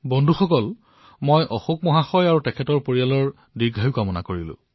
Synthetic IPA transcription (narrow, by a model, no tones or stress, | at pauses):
bɔndʱuxɔkɔl | mojʔɔxuk̚mɔɦaxɔjaɹutɛkʰɛtɔɹpoɹijalɔɹ | diɡʱajʊkamɔna̰koɹilʊ̰̃